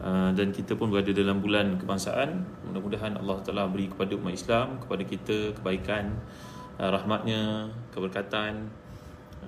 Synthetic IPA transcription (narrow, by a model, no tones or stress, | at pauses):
ʔədankit̪əpʊnbəɾadədalambulankəbaŋsa̰ʔan | mṵdahmudaɦana̰lːɑht̪alabəɾikə̥padaṵmat̪islamkə̥padakit̪əkəbaikan | ɾahmat̪̚ɲə̃kəbərkat̪an